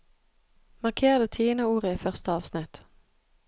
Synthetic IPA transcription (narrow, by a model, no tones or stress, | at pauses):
mɑʁkʰeːd̪ət̪ʰiːnəuːʁəiːfœʁst̪əɑːʋsnɪt̪